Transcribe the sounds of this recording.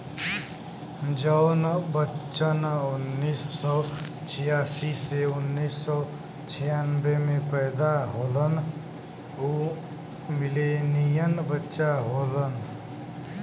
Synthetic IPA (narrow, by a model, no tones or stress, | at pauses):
d͡ʒəwnbət͡ʃənunːisːɔt͡ʃʰijasiseunːisːɔ | t͡ʃʰijanbemepəjd̪aɦolən | u | milenijənbətːʃaɦolən